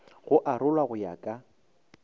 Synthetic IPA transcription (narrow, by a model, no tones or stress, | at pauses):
ɣʊʔarʊlwaɣʊja̰kʼa